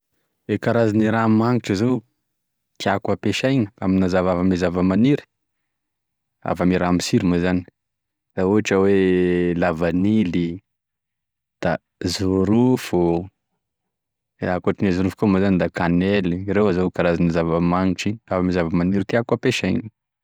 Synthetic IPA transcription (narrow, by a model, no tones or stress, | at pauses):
ekaɾaziniɾamaŋiʈ͡ʂəzo | t̪iakwapeʃajŋəaminazavavəmizavəmaniɾi̥ | a̰vamiɾamisiɾimazani̥ | d̥̪auaʈ͡ʂəwelavanili | d̪̥a | zuɾufo | akaʈ͡ʂinezuɾufukomazanid̪akanɛliɾewazokaɾazinazavəmaŋiʈ͡ʂiavəmizavəmaniɾit̪iakapeʃajŋə